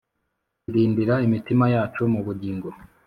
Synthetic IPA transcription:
iɾiːndiɾaimitimajaːt͡ʃumuβuɟiːŋɡo̞

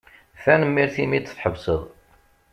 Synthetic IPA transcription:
fænəmːiɾθimit͡sːə̥fħəvsəðˤ

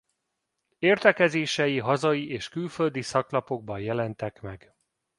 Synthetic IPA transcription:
eːrt̪ɛkɛzeːʃɛjiɦɒzɒiʔeːʃkylfø̞ld̪isɒklɒpo̞ɡ̚bɒjjɛlɛnt̪ɛkmɛɡ

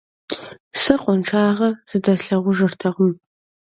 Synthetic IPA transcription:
sɨqʷʊnʈ͡ʂʰaːʁɐz̥ɨdɐɬɐʁʷʊʒɨrtʰɐʁəm

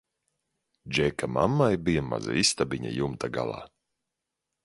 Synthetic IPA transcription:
d͡ʒɛkamamːajbijama̰za̰ist̪abiɲa̰jumt̪aɡa̰lˠa̰ː

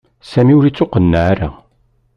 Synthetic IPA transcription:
sæmiʊɾit͡sːoqənːaaɾa̰

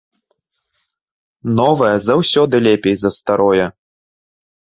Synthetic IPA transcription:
nɔvɐjɛzawsʲɔd̪ɨlʲɛpʲejzɐst̪aɾɔjɛ

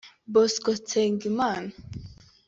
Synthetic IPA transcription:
bɔskɔt͡sʰeŋɡiman

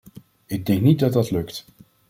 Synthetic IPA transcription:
ɪɡ̚dɛŋknit̚dɑd̚dɑtlɵkt

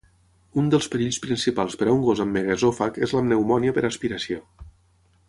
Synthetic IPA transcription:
und̪əlˠspəɾiʎʲspɾinsipalˠspəɾauŋɡozəmːeɣezofakezləmnəwmɔniəpəɾaspiɾəsio

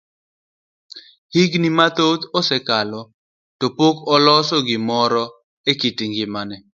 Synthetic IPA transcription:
hiɡnimat̪ot̪ɔsɛkalɔ | topokɔlɔsɔɡɪmɔɾɔ | ekitiŋɡɪmanɛ

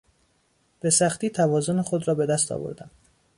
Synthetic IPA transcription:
b̥e̞sæxt̪iːt̪ʰævɒːzonexo̞d̪ɾɒːbe̞d̪æst̪ʰɒ̰ːvo̰ɾd̪æn

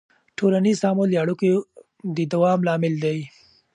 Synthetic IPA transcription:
ʈʰolanizɑmoljaɽuke | d̪əd̪awɑmlɑmɪld̪aj

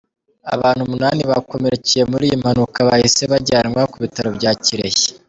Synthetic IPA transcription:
a̰βaːn̥humunaːniβako̞me̞ɾecije̞muɾijim̥hanukaβahise̞βaɟaːnŋwakuβitaɾo̞bɟaːciɾe̞̰çe̥

